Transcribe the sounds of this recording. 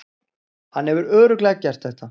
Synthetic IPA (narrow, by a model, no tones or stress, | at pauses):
hanːhɛvʏɾœːɾʏklɛːcːɛr̥t̪θɛht̪a